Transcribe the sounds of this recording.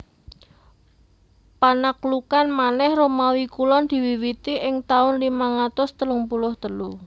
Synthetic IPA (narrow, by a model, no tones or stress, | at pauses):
panaklukanmanɛhromawikulɔnd̪̥i̤wiwit̪iʔɪŋt̪aʊnlimaŋat̪ʊst̪əlʊŋpulʊhd̪̥əlu